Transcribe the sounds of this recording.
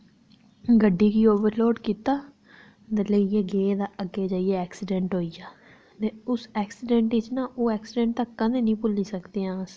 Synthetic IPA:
ɡəɖːiːkiːoːʋəɾloːʈkiːt̪aː | d̪ələijeːɡeːd̪aːəɡːeːd͡ʒaːijeːɛːksɪɖɛ̃ːɳʈɦoːijaː | t̪eːʊsɛːksɪɖɛ̃ɳʈʋɪt͡ʃnãːʔoːɛːksɪɖɛ̃ːɳʈ̚t̪əkːənẽːnĩːpʊliːsəkd̪eːãːs

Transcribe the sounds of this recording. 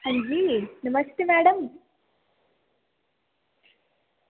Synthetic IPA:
hɐɲd͡ʒinɐmɐst̪eːmæːɽɐm

